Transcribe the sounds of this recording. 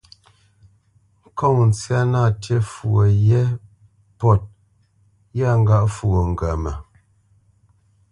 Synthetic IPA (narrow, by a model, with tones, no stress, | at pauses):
ŋ˦kɔ˦˨ŋn̩˨t͡sja˦na˦˨tje˦fu˨ə˨jɛ˦ | pɔ˦˨t̚ | ja˦ŋ̩˦ɡa˦ʔfu˨o˨ŋ̩˨ɡa˨mə˨